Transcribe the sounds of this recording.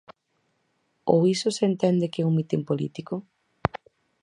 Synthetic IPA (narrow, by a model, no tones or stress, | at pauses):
o̰wisʊsent̪ɛnd̪ɪkeuŋmit̪empolḭt̪ikʊ